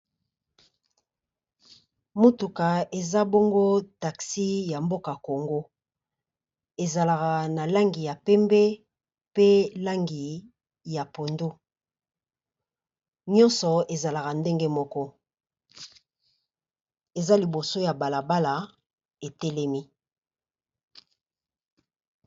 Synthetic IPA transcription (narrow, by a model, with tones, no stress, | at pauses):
mo˦tu˨ka˨e˨za˦bɔ˦ŋɡo˦ta˨ksi˦ja˨mbo˦ka˨ko˨ŋɡo˦ | e˨za˨la˨ka˨na˨la˦ŋɡi˨ja˨pɛ˦mbɛ˦ | pe˦la˦ŋɡi˨ | ja˨po˨ndu˦ | ɲɔ̃˦nsɔ˨e˨za˨la˨ka˨nde˦ŋɡe˦mɔ˦kɔ˦ | e˨za˦li˨bo˨so˦ja˨ba˨la˨ba˦la˨ | e˨tɛ˦lɛ˦mi˦